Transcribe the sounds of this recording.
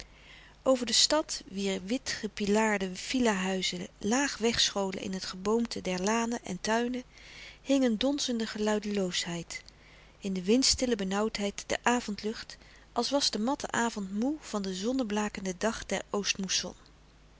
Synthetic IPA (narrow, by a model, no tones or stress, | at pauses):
ʔowvəɹdəstɑtʋiːɹʋɪtχəpilaːɹdəv̥ilaɦœɥzəlaːχʋɛχsχowlə̰nʔɪ̰nɦətχəbowmtʰədɛɹlaːnəʔɛ̰ntœɥnəhɪŋəndɔnzəndəχəlœɥdəlowsɦɛjt | ɪndəʋɪnstɪləbənʌwtɦɛjtd̥ɛ̰ɹʔaːvɔntlɵχt | ʔɑlˠsʋɑzdəmɑtʰə̰ʔaːvɔntmuv̥ɑndəzɔnəblaːkəndədɑχdɛ̰ɹowstmusɔ̰n